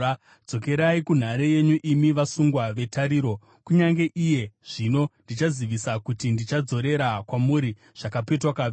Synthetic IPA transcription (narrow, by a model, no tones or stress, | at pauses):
d͡zo̞ke̞ɾaikun̤aɾeje̞ɲuʔimiʋasuŋɡwaʋe̞taɾiːɾo̞ | kuɲaŋɡe̞ʔije̞ʐ̥ino̞ndit͡ʃaziʋisakutindit͡ʃad͡zo̞ɾe̞ɾakwamuɾi | ʐ̥akape̞twakaʋ